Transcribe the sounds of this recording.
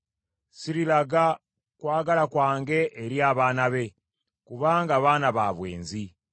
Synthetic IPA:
siɾilaɡa | kwaːɡalakwaːŋɡe̞ʔːɾjaːβaːnaβe̞ | kuβaːŋɡaːβaːnaβaːβwe̞̰ːnzi

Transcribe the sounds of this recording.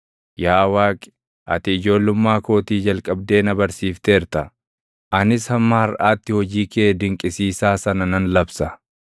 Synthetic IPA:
jaːwaːkʼɪ̥ | ʔɐ̰t̪ɪːd͡ʒo̞ːlːʊmːaːko̞ːt̪iːd͡ʒɐlkʼɐb̚d̪e̞ːnɐbɐɾsiːft̪eːɾt̪ɐ | ʔɐnɪshɐmːaːɐɾʔaːt̪ːɪhɔd͡ʒiːkeːd̪ɪŋkʼɪsiːsaːsɐnɐnɐnlɐbsɐ

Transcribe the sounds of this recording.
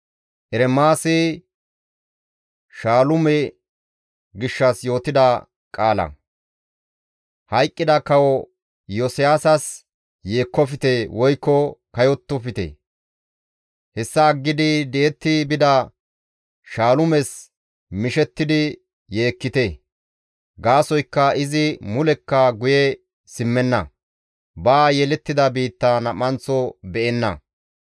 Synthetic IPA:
ʔɛɾɛmaːsɪ | ʃaːlʊmɛ | ɡɪʃːɐsjo̞ːt̪ɪd̪ɐ | kʼaːlɐ̰ | hɐjkʼːɪd̪ɐkɐwɔ | jɔsɪjaːsɐs | je̞ːkːɔfɪt̪ewɔjkːɔkɐjɔt̪ːɔfɪt̪ḛ | hɛsːɐːɡːɪd̪ɪd̪ɛʔɛt̪ːɪbɪd̪ɐ | ʃaːlʊmɛs | mɪʃɛt̪ːɪd̪ɪ | je̞ːkːɪt̪e | ɡaːsɔjkːɐɪzɪmʊlɛkːɐɡʊjɛ | sɪmːɛnːɐ̰ | baːjɛlɛt̪ːɪd̪ɐbiːt̪ːɐnɐmːɐnt͡sːɔbɛʔɛnːɐ̰

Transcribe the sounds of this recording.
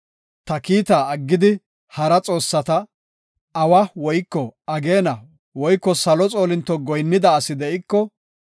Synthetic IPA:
t̪ɐkiːt̪aːɐɡːɪd̪ɪ | hɐɾɐt͡sʼo̞ːsːɐt̪ɐː | wɐwɔjkːɔɐɡe̞ːnɐ | wɔjkːɔsɐlɔt͡sʼo̞ːlɪnt̪ːɔɡɔjnːɪd̪ɐːsɪd̪ɛɪkːɔ

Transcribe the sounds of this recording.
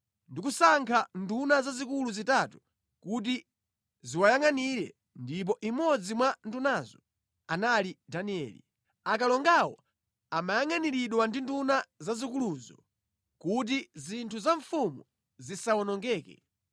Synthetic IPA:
ndikusaŋkʰandunazazikuluzitatu̥ | kut̬i | ziwajaŋaniɾɛ̰ | ndip̬ɔʔimɔd͡zimwandunazɔ | analidaniɛ̰ːlḭ | akalɔŋɡawɔ | amajaŋaniɾiɗwandindunazazikuluzɔ | kut̬izintʰuzaɱfumu | zisawɔnɔŋɡɛːkɛ̰

